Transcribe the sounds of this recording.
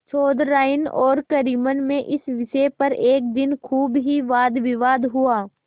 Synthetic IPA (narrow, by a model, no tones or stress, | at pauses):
t͡ʃʰoːd̪ːaːɪnɔ̰ːɾkɐɾiːmənmẽʔɪsʋɪʃepɐɾeːk̚d̪ɪnkʰuːbɦiʋaːd̪ʋɪʋaːd̪ɦuaː